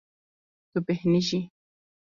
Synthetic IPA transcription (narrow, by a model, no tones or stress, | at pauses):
t̪upehniʃi